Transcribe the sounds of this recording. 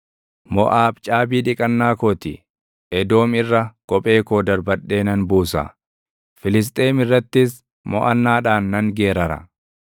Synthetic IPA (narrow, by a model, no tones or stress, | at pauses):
mɔ̰ʔaːbt͡ʃʼaːbiːᶑɪkʼɐnːaːkoːt̪ɪ | ʔɛd̪o̞ːmɪrːɐkʼɔpʼe̞ːkoːd̪ɐɾbɐᶑːe̞ːnɐnbuːsɐ̰ | fɪlɪs̬t̪ʼe̞ːmɪrːɐt̪ːɪs | mɔ̰ʔɐnːaːᶑaːnːɐŋɡe̞ːɾɐɾɐ̰